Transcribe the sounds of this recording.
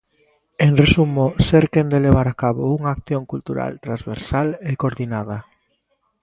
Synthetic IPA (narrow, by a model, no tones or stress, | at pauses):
eŋresumoseɾkend̪eleβaɾakaβouŋaːkθjoŋkult̪uɾa̰lt̪ɾãnzβḛɾsalekoɾðinaða